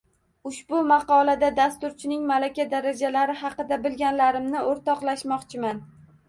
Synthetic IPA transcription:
ʊʃb̥ʊmɑqɒlad̪ad̪ast̪ʊɾt͡ʃʰɪnɪŋmalakʲad̪aɾad͡ʒalaɾɪɦɑqɨd̪abɪlɡʲanlaɾɪmnɪoɾt̪ɒqlˠaʃmɒqt͡ʃʰɪman

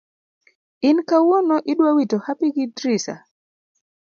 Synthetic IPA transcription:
ɪnkawonoʔɪɗwawitohapiɡidɾisa̰

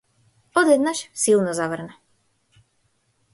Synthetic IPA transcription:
od̪ɛd̪naʃsilˠnɔzaʋərna

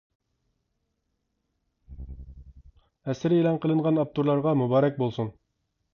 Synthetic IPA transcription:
æsɘɾilˠɑɴqəlˠɤ̆ɴʁɑnɑp̚t̪uɾlˠɑɾʁɑmubɑɾæk̚bulˠsɤn

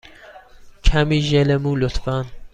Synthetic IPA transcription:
kʰæmiːʒelemuːlot̪fan

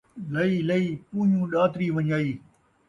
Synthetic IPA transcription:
lɐiːlɐiːpuːɲũːɗaːt̪ɾiːʋɐɲaːiː

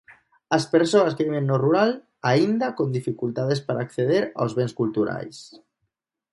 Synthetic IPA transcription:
aspeɾsoaskeβiβenːoruɾal | aind̪akond̪ifikult̪að̞espaɾaːkθeð̞eɾa̰wzβenskult̪uɾa̰js

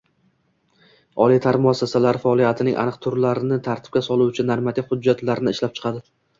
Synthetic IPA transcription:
ɒ̰lit̪ʰaɾmʊasːasalaɾfaɒlˠijat̪ʰɪnɪŋʲʔa̰nɨqt̪ʰʊɾlaɾɪnɪt̪ʰaɾt̪ʰɪ̥p̚kʲasɒlˠʊwt͡ʃʰɪnaɾmat̪ʰɪkʲhʊd͡ʒːat̪laɾɪnɪɪʃlap̚t͡ʃʰɨ̥qʰɑd̪ɪ

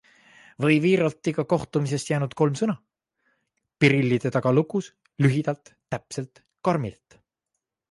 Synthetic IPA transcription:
vɤjviːɾɑlt̪ːˑiɡɑko̞ht̪umis̬e̞st̪jæːnud̪̥ko̞lmsɤnɑ | piɾilːid̪̥e̞t̪ɑɡ̥ɑluɡus | lyɦid̪̥ɑlt̪ːæpse̞lt̪ | kɑrmilt̪

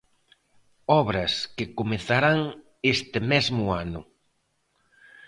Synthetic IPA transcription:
ɔβɾɐskɪkomeθaɾaŋ | est̪ɪmɛzmʊanʊ̰

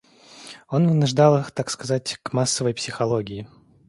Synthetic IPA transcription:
o̞nvɨnʊʐd̪alˠɨxt̪akskɐzatʲkmasːəvəjpsʲɪxɐlˠoɡʲɪɪ

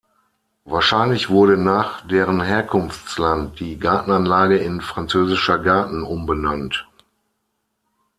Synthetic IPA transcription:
vaːɐʃaɪnlɪçv̥ʊɐɾənaːχd̥eːʁənɦeːɐkʰʊnft͡slant̚d̥iːɡaɐtn̩anlaːɡəɪnfʁ̥ant͡søːzɪʃɐɡaɐtn̩ʊmbənant

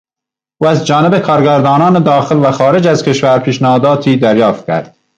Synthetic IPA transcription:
ʔuːæzd͡ʒɒːnebekʰɒːɾɡæɾd̪ɒːnɒːned̪ɒːxelvæxɒːɾe̞d͡ʒæzkʰʲe̞ʃvæɾpʰiːʃnæhɒːd̪ɒːt̪ʰiːd̪æɾjɒːft̪̚kʲʰæ̰ɾd̪̥̚

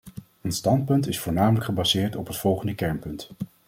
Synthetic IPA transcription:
ənstɑnt̚pɵntɪsfʊːɹnaːmələkχəbɑzɪːɹtɔpɦətfɔlˠχəndəkɛɹnpɵnt

